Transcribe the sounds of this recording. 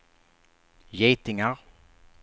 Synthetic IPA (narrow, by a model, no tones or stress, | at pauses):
jɛjt̪ɪŋaɾ